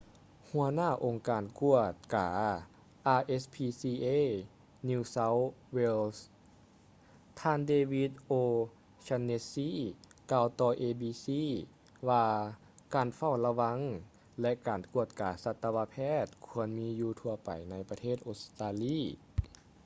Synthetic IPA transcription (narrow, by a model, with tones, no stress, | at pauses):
hu˧˩ənaː˧˥˩ʔo˨˩ŋkaː˨˩nku˧˩ət̪̚kaː˨˩ | ʔaː˧ʔe˧˥spʰiː˧siː˧ʔe˧˥˨ | niː˧sa˧˥wwe˧ls | t̪ʰaː˧ndeː˧wi˧˥t̪̚ʔoː˧ | t͡ɕa˧nːe˧˥siː˧˥kaː˧wt̪ɔː˧ʔeː˧biː˧siː˧˥˨ | waː˧ | kaː˨˩nfa˧˥˩wla˧wa˧˥ŋ | lɛ˧ʔkaː˨˩nku˧˩ət̪̚kaː˨˩sa˧t̪ːa˧wa˧˥pʰɛː˧˥˩t̪̚kʰu˧ənmiː˧˥juː˧t̪ʰu˧ɐpa̰˨˩jna˧˥jpa˧t̪ʰeː˥˩t̪̚ʔo˧˥t̪aː˧liː˧˥˩